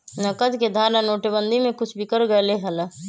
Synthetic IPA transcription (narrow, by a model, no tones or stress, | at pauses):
nəkəd̪ked̪ʱaːɾnanoːʈəbənd̪ʱimẽkʊt͡ʃʰbʱikəɾɡəeleɦələ